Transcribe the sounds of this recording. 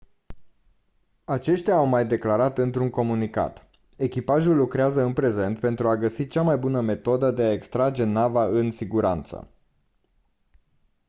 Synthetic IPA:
at͡ʃe̞ʃt̪ʲaːwmajd̪e̞klaɾat̪ɨnt̪ɾuŋko̞munika̰t̪ | e̞kʲipaʒulːukɾeazəɨnpɾe̞ze̞nt̪̚pe̞nt̪ɾuaɡəsit͡ʃamajbunəme̞t̪o̞d̪əd̪e̞ae̞kst̪ɾad͡ʒe̞navaɨnsiɡuɾa̰nt̪sə̰

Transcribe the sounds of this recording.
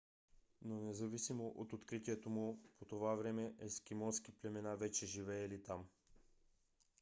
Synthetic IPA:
nonɛzɐvisimoʔot̪ot̪kɾit̪iɛt̪omupʰot̪ovavɾɛmɛʔɛskʲimɔnskiplɛmɛnavɛt͡ʃɛʒivɛːlit̪am

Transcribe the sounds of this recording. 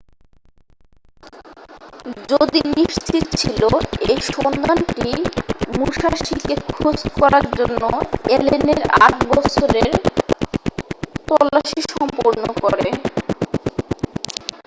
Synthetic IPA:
d͡ʑod̪iniʃt͡ɕit̪t͡ɕʰiloejʃond̪anʈimuʃaʃikekʰod͡ʑkɔɾaɾd͡ʑonːoeleneɾa̰ʈbɔt͡ɕʰoɾeɾ | t̪ɔlːaʃiʃɔmpoɾnokɔɾe

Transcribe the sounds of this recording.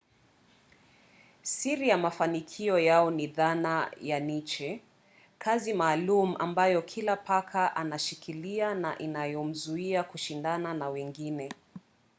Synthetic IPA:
siɾijamafanikʰiɔjaɔniðanajanit͡ʃɛ | kʰazimaːlumuʔambajɔkʰilapakʰaʔanaʃikiliana̰ʔinajɔm̩zuiakuʃindananawɛŋɡinɛ

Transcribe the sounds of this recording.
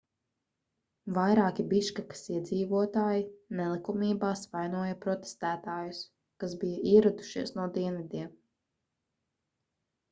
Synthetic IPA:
vajɾaːkibiʃkakḁsiɛd̪ziːvuɔt̪aːjinɛlˠikumiːbaːsvajnuɔjɐpɾɔt̪e̥st̪æːt̪aːjus | kazbijaʔiɛɾud̪u̥ʃiɛsnuɔd̪iɛnvid̪iɛm

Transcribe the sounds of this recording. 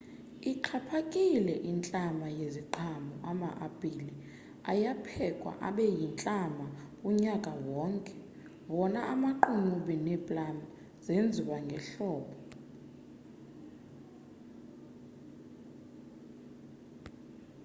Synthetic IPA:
iǃʰapʰakʼilɛʔint͡ɬʼamajeziǃʰʱamɔʔama̰ʔab̥ʱili | a̰japʰɛkʼwa̰ʔa̰ɓɛjint͡ɬʼama | uɲakʼawɔːŋkʼɛ̥ | wɔnaʔamaǃʰunuɓinɛbʼlam | zend͡zʱiwaŋɡʱɛɬɔːɓɔ

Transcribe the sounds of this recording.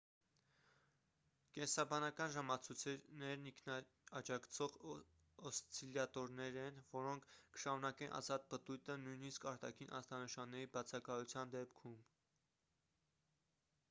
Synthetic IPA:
kɛnsɑbɑnɑkɑnʒɑmɑt͡sʰut͡sʰɛnɛɾniŋkʰnɑ | ɑd͡ʒɑkʰt͡sʰɔʁ | ɔst͡sʰiljɑt̪ɔɾnɛɾɛnvɔɾɔŋkʰkə̥ʃɑɾunɑkɛnʔɑ̰zɑt̪̚pət̪ujt̪ənujniskɑɾt̪ɑkʰinʔɑ̰zt̪ɑnəʃɑnːɛɾibɑt͡sʰɑkɑjut͡sʰjɑnd̪ɛpkʰum

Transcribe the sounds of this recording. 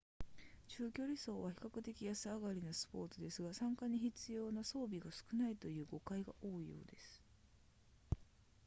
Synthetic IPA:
t͡ɕɨːkʲo̞ːɾʲiso̞ːβaçi̥kakɯ̟t̪e̞kʲijasɨaɡaɾʲinosɨ̥po̞ːt͡sɨd̪e̞sɨɡasãŋkaɲ̟içit͡sɨjo̞ːnaso̞ːbʲiɡasɨ̥kɯ̟nait̪o̞jɯ̟ːɡo̞kaiɡa̰ʔo̞ːijo̞̰ːd̪e̞sɨ̥

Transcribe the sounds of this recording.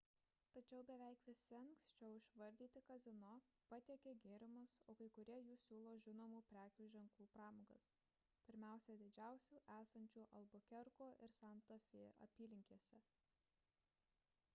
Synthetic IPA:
t̪ɐt͡ʃʲɛʊbʲɛʋʲɛˑɪkʋʲɪsʲɪŋkst͡ʃʲɛʊɪʃʋɐɾʲd̪ʲiːt̪ʲɪkɐzʲɪnoː | pɐt̪ʲiɛkʲeːɡʲeːɾʲɪmʊsoːkɐɪkʊɾʲiɛjuːsʲuːlˠoːʒʲɪnoːmuːpʲɾʲæːkʲuːʒʲɛŋklˠuːpɾɑːmoːɡɐ̰s | pʲɪɾʲmʲæˑʊsʲɛd̪ʲɪd͡ʒʲæˑʊsʲuːʔæːsɐnʲt͡ʃʲuːʔɐlˠbokʲɛɾkoːʔɪɾsɑnt̪ofʲeːɐ̰pʲiːlʲɪŋʲkʲiɛsʲɛ

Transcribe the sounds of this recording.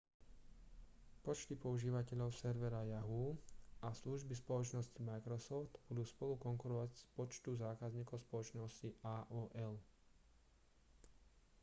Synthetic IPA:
pɔt͡ʃt̪ipɔuʒiːʋacɛʎɔʊsɛɾʋɛɾajaɦuasluʒbispɔlɔt͡ʃnɔscimajkɾɔsɔft̪b̥ud̪uːspɔlukɔŋkuɾɔʋaɟspɔt͡ʃt̪uzaːkazɲiːkɔʊspɔlɔt͡ʃnɔsciʔaːʔɔːʔɛl

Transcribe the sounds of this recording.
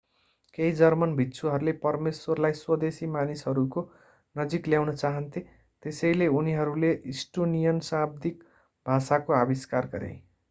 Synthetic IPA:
kejd͡zʌrmʌnbʱitːt͡sʰuɦʌɾulepʌrmeswʌrlajswʌd̪esimanisɦʌɾuko | nʌd͡zikljawnʌt͡saɦʌnt̪ʰi | t̪esʌjleuniɦʌɾuleʔisʈonijʌnsab̚d̪ik | bʱasakoabiskarɡʌ̰ɾḛ̃j̃

